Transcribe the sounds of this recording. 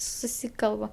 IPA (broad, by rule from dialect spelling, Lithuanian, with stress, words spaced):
sʊˈsʲiːkɐlˠbɐ